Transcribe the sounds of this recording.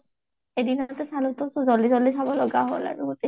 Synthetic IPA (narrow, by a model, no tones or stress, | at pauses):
edinɔtɛsalutɔsɔzɔlizɔlisʰabɔlɔɡaɦo̰la̰ɹuɡote